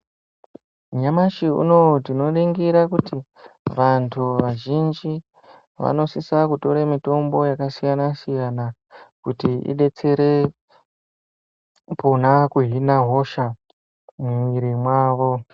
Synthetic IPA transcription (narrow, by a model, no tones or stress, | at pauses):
ɲamaʃiṵno̞tino̞ɗeŋɡiɾakuti | ʋantʰuʋaʒind͡ʒi | ʋa̰no̞sisakuto̞ɾemito̞mbo̞jakasijanasijana | kutiḭɗe̞t͡se̞ɾe̞ | pʰo̞nakuɦinaɦo̞ʃa | muiɾimwaːʋo̞